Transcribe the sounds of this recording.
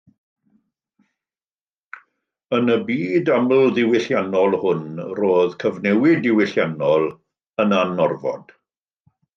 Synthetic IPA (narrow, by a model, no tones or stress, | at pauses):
ənəbiːdaml̩ˠðɪwɪɬjanɔlˠhʊnroːðkʰəvnɛwɪdɪwɪɬjanɔlˠ | ənanɔrvɔ̰d̥